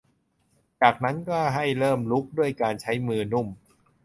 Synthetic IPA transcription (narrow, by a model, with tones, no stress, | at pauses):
t͡ɕaː˨˩k̚na˦˥nkɔː˥˩ɦa˥˩jɾɤː˥˩mlu˦˥k̚du˥˩əjkaː˧nt͡ɕʰa˦˥jmɯː˧nu˥˩m